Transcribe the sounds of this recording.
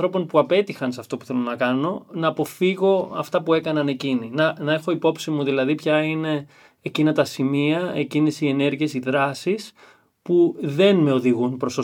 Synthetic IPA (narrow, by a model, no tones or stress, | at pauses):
ɾo̞po̞npuɐpe̞t̪ixɐnsɐft̪o̞puθe̞lo̞nɐkɐno̞nɐːpo̞fiɣo̞ɐ̰ft̪ɐpue̞kɐnɐne̞cininɐnɐe̞xoipo̞psimuðilɐðipçɐine̞ː | cinɐt̪ɐsimiɐecinisie̞ne̞ɾʝiesiðɾɐsis | puðe̞nme̞o̞ðiɣunpɾo̞st̪o